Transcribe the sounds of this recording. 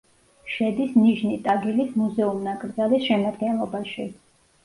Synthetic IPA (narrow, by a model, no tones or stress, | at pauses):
ʃɛd̪isniʒnit̪ʼaɡilismuzɛumnakʼɾd̪zalisʃɛmad̪̚ɡɛnlˠɔbaʃi